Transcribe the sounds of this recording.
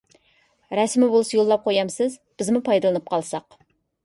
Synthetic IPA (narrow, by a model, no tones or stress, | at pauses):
ɾɛsmɪbolˠɨsɑjolˠːɑp̚qʰojɑmsɨzb̥ɪzmupʰɑjd̪ɨlˠɨnɨp̚qʰɑlˠsɑq